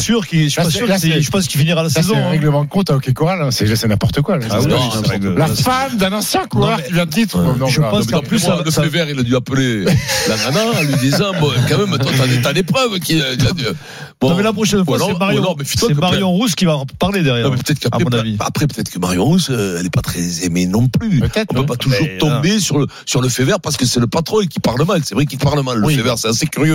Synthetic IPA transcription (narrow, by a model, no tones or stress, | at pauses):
syʁkiʃippasyʁəsɛʃəpɑ̃skifiniʁalasezɔʁɛɡləmɑ̃kɔ̃t̪aokʲekɔʁalɛ̃sɛsɛnɛ̃pɔʁt̪əkwalwĩʁɛɡllafamd̪ɛ̃nɑ̃sjɛ̃kʁkivjɛ̃d̪t̪it̪χɔ̃nɔ̃ʒəpɑ̃smɛ̃plysaləsevɛʁilad̪yaplelamanɛ̃ɑ̃lɥid̪izɑ̃bɔ̃kɑ̃mɛmaat̪ad̪epχœvkʲiilad̪y | bɔ̃mɛlapχɔʃɛnfwalɔmaʁjɔ̃lɔʁmɛfit̪asɛkmaʁjɔ̃ʁuskʲivapaʁled̪ɛʁjɛʁɛ̃mɛpø̥t̪ɛt̪χəkapaɛmɔ̃navia̰pχɛpøt̪ɛt̪χəkəmaʁjɔ̃ʁusøɛlɛpat̪χɛzemenɔ̃plypt̪ɛt̪ɔ̃pøpat̪uʒuʁt̪ɔ̃besyʁləsyʁləfevɛʁpaʁsə̥kəsɛləpat̪χɔ̃ekʲipaʁləmalsɛvʁɛkilpaʁləmalːəifevɛʁsɛt̪asekʲyʁjø